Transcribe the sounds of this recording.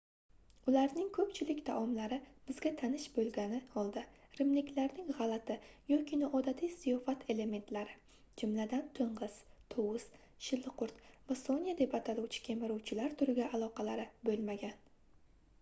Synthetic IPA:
ʊlaɾnɪŋkʰɵpt͡ʃʰɪlɪkʲt̪ʰaʔɒmlaɾɪb̥ɪzɡʲat̪ʰanɪʃbolɡʲanɪɒlˠd̪ɪɾɪmnɪkʲlaɾnɪŋʁalˠat̪ʰɪjɒkʲʰinɒʔɒd̪at̪ʰijsijɒfat̪ʰe̞le̞me̞nt̪ʰlaɾɪ | d͡ʒʊmlad̪ant̪ʰʊɴʁɨz̥t̪ʰowʊs | ʃɪlːɨqʊɾt̪vasonijad̪e̞pat̪ʰaluwt͡ʃʰɪ̥kʲʰe̞mɪɾuwt͡ʃʰɪlaɾt̪ʰʊɾɪɡʲaʔːlˠɒqɑlaɾɪbɵlmaɡʲan

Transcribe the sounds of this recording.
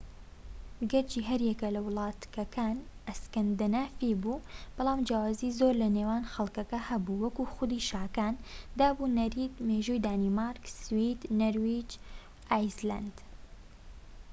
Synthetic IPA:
ɡɐɾt͡ʃiːɦɐɾjɛkɐlɐwɨlˠɑːt̪kɐkʰaːnʔɐskɐnd̪ɐnaːfibuːb̥ɑlˠɑːmd͡ʒaːwaːziːzoːɾlɐneːwaːnxɐlˠkɐkɐhɐbuwɐkuxʊd̪iʃaːkaːnd̪aːbuːnɐɾiːd̪meʒuːjd̪aːniːmaːɾkswid̪nɐɾwid͡ʒ | ʔaːjzla̰nd̪̥

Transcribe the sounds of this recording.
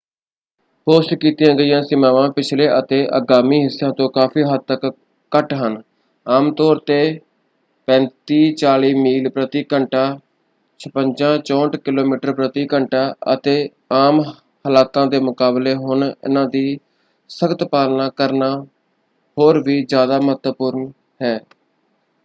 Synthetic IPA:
hoːskiːt̪jãːɡəiːjãːsɪmãːʋãːpɪt͡ʃʰleːʔət̪eːʔə̰ɡaːmiːɦɪsːãːt̪õːkaːpʰiːɦəd̪̚t̪ːəkː | əʈɦən | aːmt̪ɔːɾt̪eː | pɛ̃ːnt̪iːt͡ʃaːliːmiːlpɾət̪iːkəɳʈaː | t͡ʃʰəpəɲd͡ʒãːt͡ʃɔ̃ːɳʈkɪloːmiːʈəɾpɾət̪iːkəɳʈaːə̰t̪eː | aːm | həlaːkãːd̪eːmʊkaːbleːɦʊnɪ̰nãːd̪iː | səɡt̪paːlnaːkəɾnaː | hoːɾʋiːzjaːd̪aːmət̪əpʊɾn | hɛː

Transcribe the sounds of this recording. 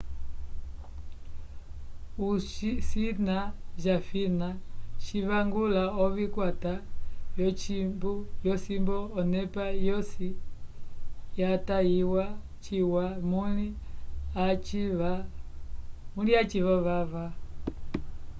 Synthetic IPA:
uʃsinaʒafinat͡ʃiβaŋɡulaɔβikwatajɔt͡ʃimbujɔsimbɔːnɛpajɔsi | jatajiwa | t͡ʃiwamuli | at͡ʃia | muniat͡ʃiβaβava

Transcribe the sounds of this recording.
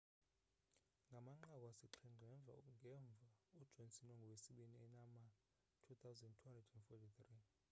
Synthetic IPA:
ŋɡʱamaŋ͡ǃak̬ʼwasiǃʰiŋ͡ǃʱɛɱb̪vʱa̰ŋɡʱɛɱb̪vʱaud̥ʒ̥ʱonsʼinɔŋɡʱɔwesiɓiniɛnama | tʰut̪ʰawzɛndtʰuhandrɛdɛnfɔtʰiθri

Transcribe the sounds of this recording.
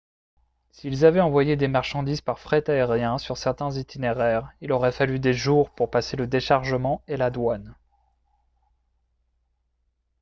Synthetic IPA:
siːlzavɛɑ̃vwajed̪emaʁʃɑ̃d̪izpaʁfχɛt̪aeʁjɛ̃syʁsɛʁt̪ɛ̃zit̪ʰineʁɛːʁilɔʁɛfalyd̪eʒuʁpuʁpaseləd̪eʃaʁʒəmɑ̃elad̪wan

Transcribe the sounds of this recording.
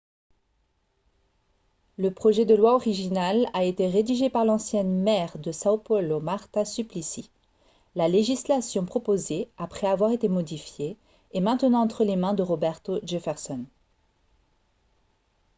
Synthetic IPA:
ləpχɔʒɛd̪əlwaɔʁiʒinalaet̪eʁed̪iʒepaʁlɑ̃sjɛnmɛʁd̪əsaopɔlomaʁt̪asyplisi | laleʒislasjɔ̃pχɔpozeapχɛavwaʁet̪emɔd̪ifjeː | mɛ̃t̪ənɑ̃ɑ̃t̪χəlemɛ̃d̪əʁɔbɛʁt̪oʒefɛʁsɔn

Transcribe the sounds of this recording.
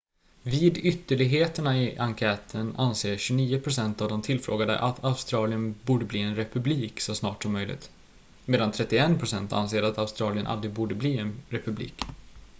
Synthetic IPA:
viːd̪ʏt̪ːəɭɪɡɦeːt̪əɳaɪʔaŋkʰɛːt̪ʰəna̰nseːɕɵniːʊpʰɾʊsɛnt̪avd̪ɔmt̪ʰɪlfɾo̰ːɡad̪ə̰ʔat̪ʰaʊst̪ɾɑːlɪənbuːɖəbliːɛnɾɛpɵbliːksɔsnɑːʈsɔmːœjlɪ̰ɡt̪ | meːd̪ant̪ʰɾɛt̪ːɪɛnpʰɾʊsɛnt̪a̰nseːɾat̪aʊst̪ɾɑːlɪənʔa̰ld̪ɾɪɡbuːɖəbliːɛnɾɛpɵblḭːk

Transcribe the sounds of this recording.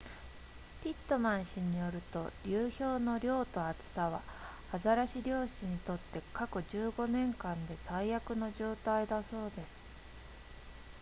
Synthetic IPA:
pʲit̪ːo̞mãɰ̃ɕiɲ̟ijo̞ɾɯ̟t̪o̞̰ɾʲɯːço̞ːno̞ɾʲo̞ːt̪o̞at͡sɨ̥saβ̞a̰ː | zaɾaɕiɾʲo̞ːɕiɲ̟it̪o̞t̪ːe̞kako̞ʑɨːɡo̞nẽ̞ŋkãnd̪e̞saijakɯ̟no̞ʑo̞ːt̪aid̪aso̞ːd̪e̞sɨ̥

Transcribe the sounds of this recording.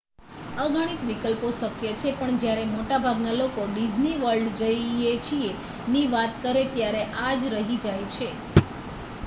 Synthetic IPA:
əɡʱaɽ̃it̪ʋikəlpoʃəkjət͡ʃʰepəɳd͡ʒjaɾemoʈabʱaɡnalokoɖid͡ʒniʋəlɖd͡ʒəiet͡ʃʰie | niʋat̪kəɾet̪jaɾeʔad͡ʒɾəɦid͡ʒajt͡ʃʰe

